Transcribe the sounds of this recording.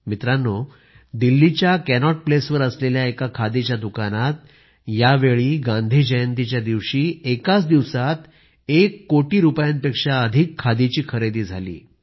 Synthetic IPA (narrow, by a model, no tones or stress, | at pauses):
mit̪ɾanːo | d̪ilːit͡ɕjakɛnɔʈ̚plesʋəɾəsleljaekakʰad̪it͡ɕjad̪ukanat̪ | jaʋeɭiːɡãnd̪ʱiːd͡ʑəjənt̪it͡ɕjad̪iʋɕiːekat͡sd̪iʋsat̪ | ekːoʈiːɾupjanpekʂaəd̪ʱikʰːad̪it͡ɕiːkʰəɾed̪iːd͡zʱa̰lḭː